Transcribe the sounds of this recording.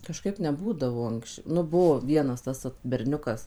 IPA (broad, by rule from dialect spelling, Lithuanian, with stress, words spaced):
kɐʃˈkɐɪp nʲɛˈbuːdɐʋoː ˈɐŋkst͡ʃ ˈnʊ ˈbʊʋoː ˈʋʲiɛnɐs ˈtɐs ʋɐt bʲɛrʲˈnʲʊkɐs